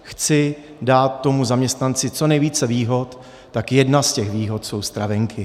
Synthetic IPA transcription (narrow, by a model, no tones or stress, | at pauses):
xt͡sɪ | daːt̪ːo̞muzamɲɛst̪nant͡sɪt͡so̞nɛjviːt͡sɛviːɦo̞t̪ː | akjɛdnascɛxviːɦo̞t̪so̞wst̪ɾavɛŋkʰɪ